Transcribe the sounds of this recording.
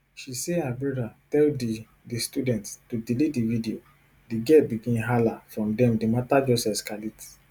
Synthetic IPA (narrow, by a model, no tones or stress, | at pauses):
ʃisehabɹɔdatɛldi | distudɛ̃nttudilidividio | diɡɛt̚biɡĩnɦalafɹɔ̃mdɛ̃mdematad͡ʒɔsɛskalit